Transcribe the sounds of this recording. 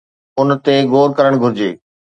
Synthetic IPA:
ʊnt̪eɡoːɾkɐɾəɽ̃ɡʱʊɾɪd͡ʑeː

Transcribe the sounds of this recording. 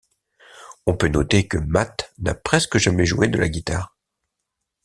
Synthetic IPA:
ɔ̃pønɔt̪ekəmat̪na̰pχɛskəʒamɛʒued̪əla̰ɡʲit̪aːʁ

